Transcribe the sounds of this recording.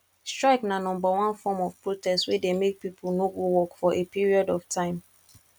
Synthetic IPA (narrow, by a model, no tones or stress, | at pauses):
stɹaɪknanɔ̃mbawãnfɔmɔfpɹotɛstwedemek̚pipʰulnoɡowɔkfɔʔepiɹiɔdɔftʰãɪ̃m